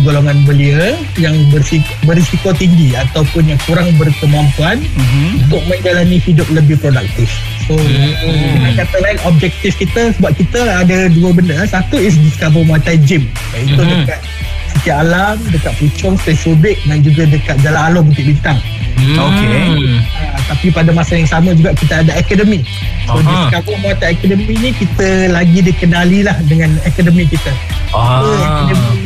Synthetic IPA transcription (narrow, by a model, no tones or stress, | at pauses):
əɡoloŋanbəliə | jaŋbərsi | bərsikot̪iŋɡiat̪awpʊnjaŋkuɾaŋbərkəmampuanunt̪ʊk̚mə̃ɲd͡ʒalanifidʊp̚ləbɪhpɾodak̚t̪ɪf | so | inakat̪alainɔb̚d͡ʒɛk̚t̪ifkit̪asəbap̚kit̪aːdaduəbəndəlasat̪uɪs̬diskabəmat̪ad͡ʒɪm | ait̪udəkat̪̚ | sət̪iaʔalamdəkat̪̚put͡ʃɔŋsə̥t̪iasubɪʔ̚dand͡ʒuɡadəkat̪̚d͡ʒalaːlɔbunt̪ʊʔ̚bint̪aŋ | oke | ət̪apipadamasajaŋsamãd͡ʒuɡaʔkit̪aadaʔakɛdəmĩ | sodiskabʊmaat̪ajɛkɛdəmĩnikit̪əlaɡidikənalilahdəŋãnɛkɛdəmĩkit̪əaəɛkɛdəmi